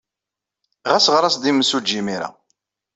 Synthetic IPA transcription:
ʁæsʁɾˤɑsd̪iməsud͡ʒːimiɾa̰

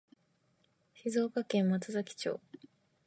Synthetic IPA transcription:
çizo̞ːkakẽ̞mmat͡sɨzakʲi̥t͡ɕo̞̰ː

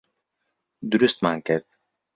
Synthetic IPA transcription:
d̪uɾust̪maŋkɛɾt̪

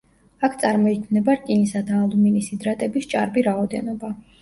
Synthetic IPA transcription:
akʰt̪sʼaɾmɔikʰnɛbaɾt̪ʼinisad̪aːlˠuminisid̪ɾat̪ʼɛbist͡ʃʼa̰ɾbiɾaɔd̪ɛnɔba

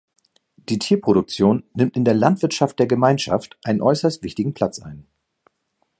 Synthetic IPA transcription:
d̥iːtʰiːɐpʁ̥oɾʊk̚t͡sjoːnːɪmtɪndeːɐlantv̥ɪɐtʃaftd̥eːɐɡəmaɪnʃa̰ftʔaɪnənʔɔʏsɐstv̥ɪçtɪɡŋ̩pʰl̥at͡sʔa̰ɪn

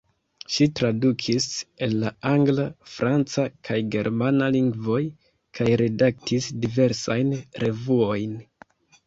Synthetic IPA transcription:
ʃitɾadukʰise̞lːaaŋɡlafɾʔant͡sakʰajɡe̞ɾmanaliŋɡvo̞j | kʰajɾe̞dak̚tʰisdive̞ɾsajnɾe̞vuo̞jn

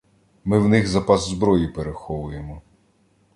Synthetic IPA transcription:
mɪwnɪxzɐpɑzzbɾɔjipeɾexɔʋʊjemɔ

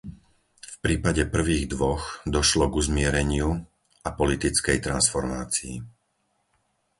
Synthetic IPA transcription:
fpɾiːpaɟɛpr̩ʋiːɣd̪ʋɔɣd̪ɔʃlɔɡuzmɪɛɾɛɲɪu | apɔlit̪it͡skɛjt̪ɾansfɔɾmaːt͡sḭː

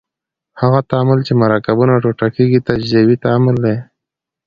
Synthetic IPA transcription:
haɣat̪amɪlt͡ʃemaɾɑkabunaʈoʈakeɡit̪ad͡ʒzawit̪amɪld̪aj

